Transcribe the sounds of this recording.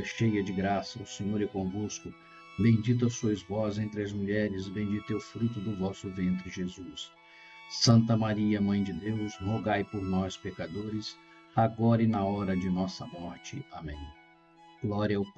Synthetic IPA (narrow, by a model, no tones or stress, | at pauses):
ɐʃejɐd͡ʒɪɡɾasɐʊsẽɲoɾɛkõvoskʊ | bẽj̃d͡ʒit̪̬ʊɐsuɐzvɔzẽnt̪ɾɪɐzmuʎɛɾɪzɪbẽd͡ʒit̪ɛʊfɾut̪̬ʊd̪ʊvɔsʊvẽnt̪ɾɪʒezusː | ɐ̃nt̪̬ɐmaɾiɐmɐ̃j̃d͡ʒɪd̪ewzhoɡajpoɾnɔspekad̪oɾɪs | aɡɔɾɪnɐɔɾɐd͡ʒɪnɔsɐmɔɾt͡ʃɪamḛ̃j̃ | ɡ̥lɔɾiɐʊp